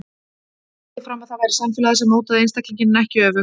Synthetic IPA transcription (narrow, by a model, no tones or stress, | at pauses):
ɪfɾamaðθaðvajɾɪ̥samfɪːlaðɪsɛmːoːwt̪aðejnst̪akliɲcɪnnɛhcɪœːvʏ